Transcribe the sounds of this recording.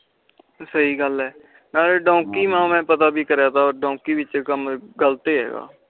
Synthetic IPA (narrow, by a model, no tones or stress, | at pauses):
səiːɡəlɦɛː | naːleːɖõːkiːmãːmɛ̃ːpət̪aːbiːkəɾjaːt̪ʰaːɔːɾɖõːkiːʋɪt͡ʃkəmɡəlt̪eːɦɛ̰ːɡa̰ː